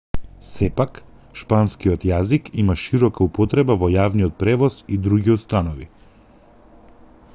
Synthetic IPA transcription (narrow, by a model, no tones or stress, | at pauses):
sɛpak | ʃpanskiɔt̪jazikimaʃiɾɔkaupɔt̪ɾɛbavɔjavniɔt̪̚pɾɛvɔzid̪ɾuɡiust̪anɔvḭ